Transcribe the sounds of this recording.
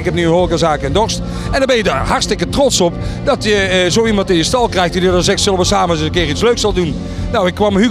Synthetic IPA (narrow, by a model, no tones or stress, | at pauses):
ɪkhɛpnyənhoːlˠəkəzaːkəɛndɔrst | ɛndɔbɛnjədarharstɪkətrɔtsɔpdɔtjəzowimɑntɪnjəstɑlˠkrɛjxtdidədɔnzɛksɪlˠəʋəsaːməzəəkɪːritsløɥksɑlˠdun | nawɪkːʋɑməhy